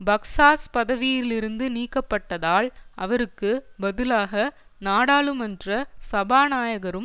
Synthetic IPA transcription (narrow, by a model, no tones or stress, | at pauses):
bɐksaːspɐðɐʋɪjɪlɪɾɯnd̪ɯniːkːɐpːɐʈːɐðaːɭʔɐʋɐɾɯkːɯbɐðɯlaːɣɐ | naːɽaːɭɯmɛndrɐsɐbaːnaːjɐɣɐɾɯm